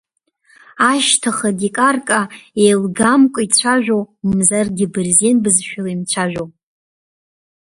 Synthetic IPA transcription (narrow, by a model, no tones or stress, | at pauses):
aʃtʰaχadikʼarkʼaejlɡamkʷʼʊit͡ɕʷʰaʒᶣʷowmzarɡʲɪbɨrzenbɨzʃᶣalaimt͡ɕʷʰaʒᶣow